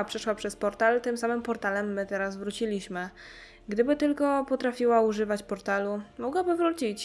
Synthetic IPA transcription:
pʂɛʂwapʂɛspɔɾt̪alt̪ɘmsamɘmpɔɾt̪alɛmːɘt̪ɛɾasvɾut͡ɕilʲiɕmɘ | ɡd̪ɘbɘt̪ɘlkɔpɔt̪ɾafʲiwauʐɘvat͡ɕpɔɾt̪alumɔɡwabɘvɾut͡ɕit͡ɕ

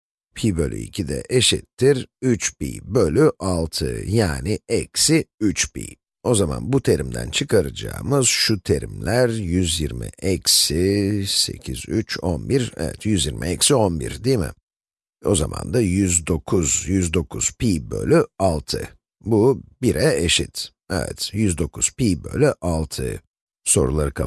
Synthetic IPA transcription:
pʰiːbø̞lʲy̰ḭcʰid̪ɛ̰ʔeʃɛt̪ʰːiɾyt͡ʃpḭːbø̞lʲyʔalˠt̪ʰɯjaːnɪɛcsiyt͡ʃpḭː | o̞zama̰nbut̪ʰeɾimd̪æ̰nt͡ʃʰɯkʰaɾad͡ʒa̰ːmɯz̥ʃut̪ʰe̞ɾimlʲæɾjyzjiɾmḭʔɛcsise̞̰cʰizyt͡ʃʰonbiɾɛ̰vɛ̰t̪ʰjyzjiɾmʔḭɛcsio̞nbḭɾd̪iːmɪ̰ | o̞zamʔa̰nd̪ajyzd̪o̞kʰuzjyzd̪o̞kʰuz̥piːbø̰lʲyalˠt̪ʰɯ | bubiɾʔɛeʃit̪ | ɛvɛ̰t̪jyzd̪o̞kʰuz̥piːbølʲyʔalˠt̪ʰɯ | so̞ɾulˠaɾɯkʰa

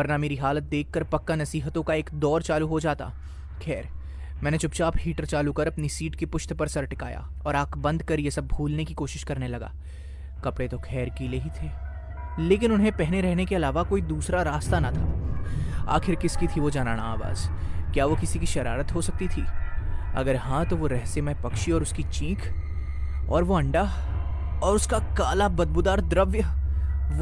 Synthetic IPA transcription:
bɐɾnameːɾiɦaːlət̪̚d̪eːkʰːɐɾpɐkːanɐsiːɦət̪õkaeːkd̪ɔːɾt͡ʃaːluɦod͡ʒaːt̪a̰ː | kʰɛːɾ | mɛ̃ːnet͡ʃʊpt͡ʃaːphiːʈəɾt͡ʃaːlukɐɾɐpnisiːʈkepʊʃt̪pɐɾsɐɾʈɪka̰ːja̰ | ɔːɾaːkʰbɐ̃nd̪kɐɾjesɐb̚bʱuːlnekikoːʃɪʃkɐɾnelɐɡa̰ː | kɐpɽet̪okʰɛːɾkileɦit̪ʰeː | leːkɪnʊnɦẽpɛɦneɾɛɦnekeɐlaːʋakoːid̪uːsɾaɾaːst̪anat̪ʰaː | a̰ːxɪɾkɪskit̪ʰiʋod͡ʒaːna̰ːnaaːʋa̰ːzkjaːʋokɪsikiʃɐɾaːɾət̪ɦosɐk̚t̪it̪ʰiːɐ̰ɡəɾɦãt̪oʋoɾɛɦsemẽpɐkʃiɔːɾʊskit͡ʃĩːkʰ | ɔːɾʋoɐ̃ɳɖa | ɔːɾʊskakaːlabɐd̪̚bʊd̪aːɾd̪ɾɐʋjə

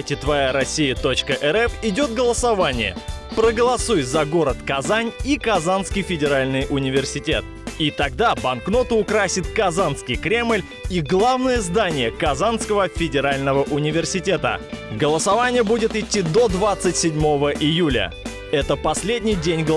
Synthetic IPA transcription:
tʲɪt̪vɐjaɾɐsʲijət̪o̞t͡ɕkəʔɛɾɛfɪdʲo̞t̪̚ɡəlˠəsɐvanʲɪ̰jə̰pɾəɡəlˠɐsujzɐɡo̞ɾət̪kɐzanʲikɐzanskʲɪjfʲɪdʲɪɾalʲnɨjʔʊnʲɪvʲɪrsʲɪtʲe̞̰t̪̚ | it̪ɐɡ̚d̪abɐnkno̞t̪ʊʊkɾasʲɪt̪kɐzanskʲɪjkɾʲe̞mlʲ | iɡlˠavnəjəzd̪anʲɪjəkɐzanskəvəfʲɪdʲɪɾalʲnəvəʔʊnʲɪvʲɪrsʲɪtʲe̞t̪ə̰ɡəlˠəsɐvanʲɪjəbudʲɪt̪ɪtʲːid̪o̞d̪vat̪sɨtʲsʲɪdʲmo̞vəʔɪjulʲə̰ | ɛt̪əpɐsʲlʲedʲnʲɪjdʲenʲɡə

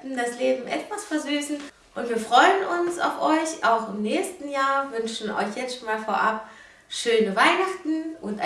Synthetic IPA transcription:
m̩dasleːbm̩ʔɛtv̥asfɛːɐzyːsn̩ | ʔʊntv̥iːɐfʁ̥ɔʏənʊnsa̰ʊfʔɔʏçaʊxɪmnɛːçstn̩jaːɐvʏnʃn̩ʔɔ̰ʏçjɛt͡sʃoːnmaːlfoːɐʔap̚ | ʃøːnəvaɪnaχtn̩ʔʊntʔa

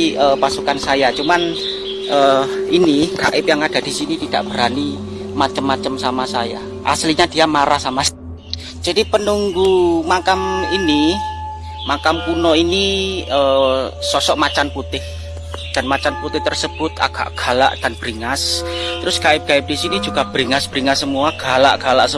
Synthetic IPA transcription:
əpasukansajat͡ʃuman | ʔəiniɡa̰ʔɪpjaŋad̥a̤d̥isinit̪id̥aʔb̥əɾani | mat͡ʃəmːat͡ʃəmsamasaja̰ | ʔa̰sliɲad̥ijamaɾahsama | d͡ʒ̥adipənuŋɡumakamini | makamkunɔiniəsɔsɔʔmat͡ʃanput̪ɪh | d̥a̤nmat͡ʃanput̪ɪht̪ərsəb̥ʊt̪a̰ɡ̥a̰ʔɡ̥a̤la̰ʔd̥anb̥əɾiŋast̪əɾʊskaɪp̚kaɪp̚d̥isinid͡ʒuɡ̥ab̥əɾiŋasb̥əɾiŋasəmuaɡ̥ala̰ʔɡ̥ala̰ʔsə

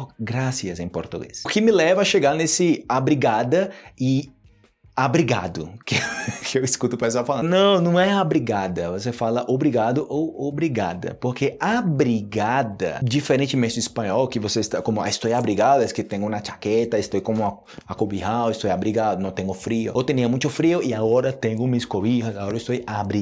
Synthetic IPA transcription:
ɡɾasiɐzẽj̃poɾt̪uɡḛsʊkɪmɪlɛvɐɐʃeɡaɾnesɪabɾiɡad̪ɐɪ | abɾiɡa̰d̪ʊ̰kɪkʰɪewiskut̪ʊpɾais̬afalɐ̃nɐ̃w̃nɐ̃w̃ɛabɾiɡad̪ɐvosefalɐʔobɾiɡad̪ʊʔowobɾiɡad̪ɐ̰poɾkeabɾiɡad̪ɐ̰d͡ʒifeɾẽnt͡ʃɪmẽnt͡ʃɪispɐ̃ɲɔwkɪvosest̪akõmʊa̰ist̪ojabɾiɡad̪ʊɛskɪt̪ẽɲʊnat͡ʃḁkɛt̪ɐist̪ojkõmʊɐ | akobiɦawɪst̪ojabɾiɡad̪ʊnɐ̃w̃t̪ẽŋɡʊfɾiʊ̰owt̪ẽnĩɐmũj̃t̪ʊfɾioɪaɡɔɾɐt̪ẽɲʊ̃miskoiɦɐzaɡɔɾɐist̪ojabɾi

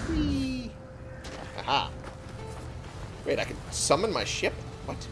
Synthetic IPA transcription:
i | ha̰ha̰ | ɹeɪɾaɪkɨdsʌ̃mə̃nmaɪʃɪpwʌt

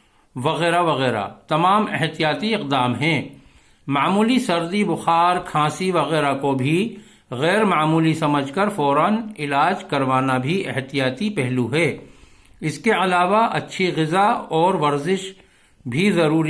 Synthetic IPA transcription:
ʋɐɣɛːɾaʋɐɣɛːɾa̰t̪ɐmaːmɪɦt̪ijaːt̪iɪq̚d̪aːmɦɛ̃ː | maːmuːlisɐɾd̪ibʊxaːɾkʰãːsiʋɐɣɛːɾakobʱi | ɣɛːɾmaːmuːlisɐməd͡ʒʱkɐɾfɔːɾaːnɪlaːd͡ʒkɐɾʋaːnabʱiɪɦt̪ijaːt̪ipɛɦluɦɛː | ɪskeɐlaːʋaʔɐ̰tːʃʰiɣɪzaɔːɾʋɐɾzɪʃ | bʱizɐɾuːɾi

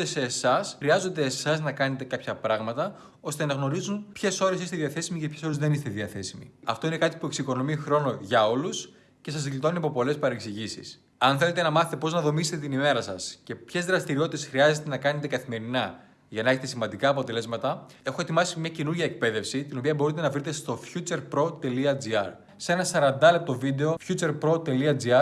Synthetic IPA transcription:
ese̞ːsɐsxɾiɐzo̞nd̪e̞ːsɐznɐkɐne̞t̪e̞kɐpçɐpɾɐɣmɐt̪ɐ | o̞st̪e̞nɐɣno̞ɾizunpçe̞so̞ɾe̞sist̪eðiɐθe̞simicepçeso̞ɾezðe̞nist̪e̞ðiɐθe̞simḭɐ̰ft̪o̞ine̞kɐt̪ipue̞ksiko̞no̞mixɾo̞no̞ʝɐo̞lus | ce̞sɐsðilit̪o̞niɐpo̞po̞le̞spɐɾeksiʝisḭs | ɐnθe̞le̞t̪e̞nɐmɐθet̪e̞po̞znɐðo̞miset̪et̪inime̞ɾɐsɐsce̞pçe̞zðɾɐst̪iɾio̞t̪it̪esxɾiɐzet̪e̞nɐkɐne̞t̪e̞kɐθime̞ɾinɐ | ʝɐnɐe̞çet̪e̞simɐnd̪ikɐːpo̞t̪e̞le̞zmɐt̪ɐ | e̞xoe̞t̪imɐsimɲɐce̞nuɾʝɐek̚pe̞ðe̞fsit̪ino̞piɐbo̞ɾit̪e̞nɐvɾit̪e̞st̪o̞fçut͡se̞ɾpɾo̞t̪e̞liɐd͡ziɐɾ | se̞nɐsɐɾɐnd̪ɐle̞p̚t̪o̞vid̪e̞o̞fçut͡se̞ɾpɾo̞t̪e̞liɐd͡ziɐɾ

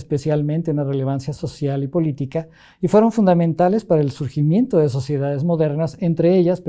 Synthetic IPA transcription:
spe̞sjalment̪e̞unare̞le̞β̞ansjaso̞sjalipo̞lit̪ika | ifweɾo̞ɱfund̪amẽ̞nt̪ale̞spaɾaelsuɾximje̞nt̪o̞ðes̬o̞sje̞ðaðe̞zmo̞ðe̞ɾnase̞nt̪ɾe̞eʝasp

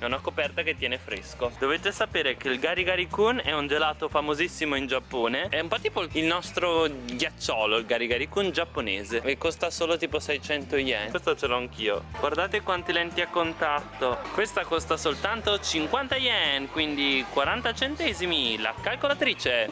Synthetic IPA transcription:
ɛunakopɛrt̪aket̪ːjɛːnefɾeskod̪ovet̪esapeːɾekeilɡaɾiɡaɾikunɛund͡ʒelaːt̪ofamozisːimoind͡ʒapːoːneɛumpɔt̪ipoilnɔst̪ɾoɡjat͡ʃːɔːloilɡaɾiɡaɾikund͡ʒapːonḛːzeekːost̪asoːlot̪iːposɛjt͡ʃɛnt̪ojɛ̰nwest̪at͡ʃelɔaŋk̟ʰiːo̰ɡward̪aːt̪ekwant̪ilɛnt̪iakːont̪at̪ːokwest̪akost̪asolt̪ant̪ot͡ʃiŋkwant̪ajɛnkwind̪ikwaɾant̪at͡ʃent̪ɛːzimila̰kalkolat̪ɾiːt͡ʃeɛ

